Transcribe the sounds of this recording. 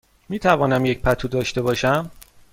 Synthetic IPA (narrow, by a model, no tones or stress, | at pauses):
miːt̪ʰævɒːnæmjec̚pʰæt̪ʰuːd̪ɒːʃt̪e̞bɒːʃæm